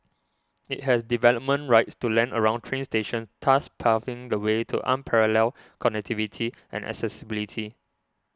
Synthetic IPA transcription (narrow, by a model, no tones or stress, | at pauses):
it̚hɛsdivɛləp̚mə̃nɹaɪtstulɛ̃nə̰ɹãʊ̃ntʰɹẽnsteʃə̃ntʰaspʰafɪ̃ŋdəwetʰṵʔã̰npʰɛɹəlɛl | kʰɔnɛk̚tivitʰiʔɛ̰̃nʔɛ̰ksɛsibilitʰi